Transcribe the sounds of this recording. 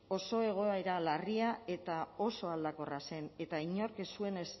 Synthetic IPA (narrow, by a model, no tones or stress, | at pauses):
o̞so̞e̞ɣ̞o̞aeɾalariae̞t̪ao̞so̞ald̪ako̞rase̞ne̞t̪aiɲo̞ɾkesue̞nes